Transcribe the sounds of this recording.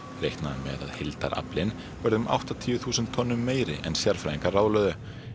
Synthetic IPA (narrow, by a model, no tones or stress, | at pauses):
rejhknaðamɛ̰ða̰ðhɪlt̪a̰ɾʔa̰plɪn | vɛɾðʏmʔa̰wht̪at̪ʰiːjʏθuːsʏnt̪ʰːɔnːʏmːeːjɾɪ̰ʔɛnsjaɾ̥fɾajiŋkarawðlœːðʏ